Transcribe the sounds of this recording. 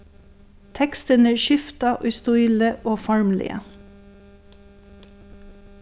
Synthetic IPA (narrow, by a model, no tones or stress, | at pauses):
t̪ʰɛkst̪ənəːʃɪft̪ɑʔœʏst̪ʊiːləʔoːfɑɹmlɪ̰ʔə̰